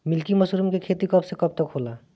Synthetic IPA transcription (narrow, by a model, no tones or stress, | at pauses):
mɪlkimɐsɾumkekʰeːt̪ikɐbsekɐp̚t̪əkɦoːlaː